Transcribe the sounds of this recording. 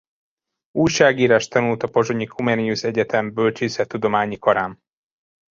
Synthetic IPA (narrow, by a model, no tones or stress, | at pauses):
uːjʃaːɡiːɾaːʃt̪ɒnult̪ɒpo̞ʒoɲikʰumɛniuʃɛɟɛt̪ʰɛmbølt͡ʃisɛt̪ːud̪o̞maːɲikɒɾaːm